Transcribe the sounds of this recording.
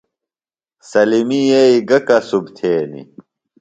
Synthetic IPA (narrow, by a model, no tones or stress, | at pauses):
sɐlimijeiɡɐkɐsubt̪ʰeːnḭ